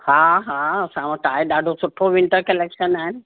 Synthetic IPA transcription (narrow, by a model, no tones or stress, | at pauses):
haːɦaɐsãʋɐ̃ʈaːɦeɗaːɖʱosʊʈʰoʋɪ̃ɳʈəɾkɐleːkʃənaːɦɪnɪ̆